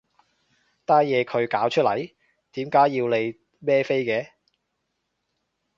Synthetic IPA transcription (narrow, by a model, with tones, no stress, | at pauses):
t̪aː˥jjɛː˨˧kʰɵ˨˧ɥkaː˨˥wt͡ʃʰɵ˥t̚lɐ̰˨˩j | t̪iː˨˥mkaː˨˥jːiː˧wle˨˧j | mɛː˥fe˥jkɛː˧